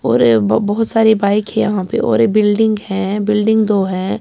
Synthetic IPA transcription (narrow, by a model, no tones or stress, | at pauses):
ɔ̰ːɾbɐɦʊt̪saːɾebaːɪkɦɛ̃jɐ̰ɦãpḛʔɔ̰ːɾbɪlɖɪ̃ŋɡhɛ̃bɪlɖɪ̃ŋɡd̪oːɦɛ̃